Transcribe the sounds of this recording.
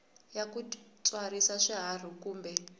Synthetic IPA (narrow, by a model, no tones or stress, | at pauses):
jakut͡sʼwaɾisaʂiɦar̤ukuːmbɛ